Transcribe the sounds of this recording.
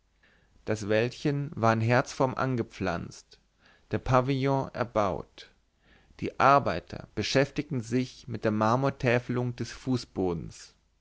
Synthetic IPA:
d̥asv̥ɛltçənvaːɐaɪnɦɛɐt͡sfɔmʔa̰nɡəp͡fla̰nt͡st | d̥eːɐpʰaviljɔ̃ʔɛ̰ɐbaʊt | d̥ḭːʔaɐbaɪtʰɐ̰b̥əʃɛftɪk̚tn̩zɪçmɪt̚d̥eːɐmaɐmuɐtʰɛːfəlʊŋdɛsfuːsb̥oːdn̩s

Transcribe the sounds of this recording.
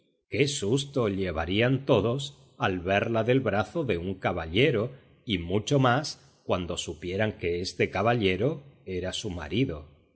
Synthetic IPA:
ke̞sust̪o̞ʎe̞β̞aɾiant̪o̞ðo̞s | alβe̞ɾlaðe̞lβɾaθo̞ðe̞uŋkaβaʎe̞ɾo̞ | imut͡ʃo̞mas | kwand̪o̞supje̞ɾaŋke̞est̪e̞kaβaʎe̞ɾo̞e̞ɾasuma̰ɾiðo̞

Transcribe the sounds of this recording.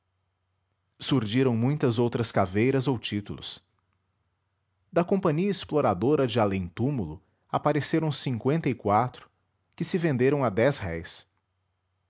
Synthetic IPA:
suɾʒiɾɐ̃w̃mũj̃t̪ɐzowt̪ɾɐskavejɾɐzowt͡ʃit̪ṵlʊ̰s | d̪ɐkõmpɐ̃ɲiɐesploɾad̪oɾɐd͡ʒɪalẽt̪umulʊ | apaɾeseɾɐ̃w̃sĩŋkwẽnt̪ɐikwat̪ɾʊ̥ | kɪsɪvẽnd̪eɾɐ̃w̃ad̪ɛshɛjs

